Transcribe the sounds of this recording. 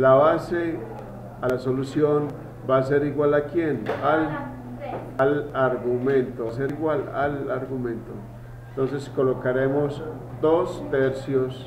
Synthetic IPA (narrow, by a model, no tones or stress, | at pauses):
laβase | alasolusjon | baːse̞ɾiɣwalakjenal | alaɾɣumẽnt̪oas̬eɾiɣwalalaɾɡumẽnt̪o | ent̪o̞ns̬e̞skolokaɾemos | d̪ost̪eɾsjos